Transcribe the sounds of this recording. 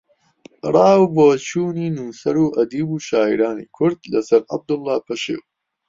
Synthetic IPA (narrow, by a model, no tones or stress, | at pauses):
rˤɑːwbot͡ʃʰuːniːnuːsɐɾuːʔɐd̪iːbuːʃaːḭɾaːnḭːkʰʊɾd̪̚lɐsɐɾʔɐ̰b̚d̪ʊlːɑːpʰɐʃḛːw